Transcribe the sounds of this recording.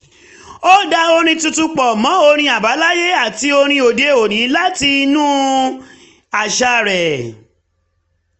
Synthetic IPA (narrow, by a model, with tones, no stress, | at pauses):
o˦da˧o˧ɾ̃ĩ˧tu˧tu˧k͡pɔ˨mɔ̃˨˦o˧ɾ̃ĩ˧˦a˨ba˨˦la˦je˦a˦˨ti˦o˧ɾ̃ĩ˧o˨de˨˧˦o˨ñĩ˨˦la˦ti˧nũ˦ | a˨ʃa˧ɾɛ˨